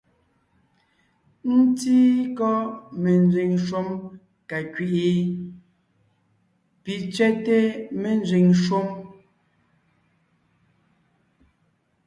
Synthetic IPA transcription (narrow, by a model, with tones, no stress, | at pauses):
n̩˦tiː˦kɔ˦me˨n˨˦zi˨ŋʃo˦m | ka˨kɥi˨ʔi˨˦ | pi˨t͡ʃɥɛ˦te˦me˨n˦zi˨ŋʃo˦m